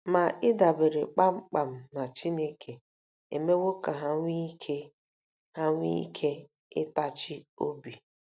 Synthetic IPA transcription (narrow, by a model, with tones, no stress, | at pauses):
ma˨ɪ˦da˨be˨ɾe˨k͡pa˦ŋ͡m̩˦k͡pa˨m̩˨na˨t͡ʃi˦ne˦kʰe˨ | ḛ˨me˦wo˦ka˨ɦa˦ŋʷi˦kʰe˦ | ha˦ŋʷi˦kʰe˦ | ɪ̰˦ta˦t͡ʃɪ˦o̰˦bi˨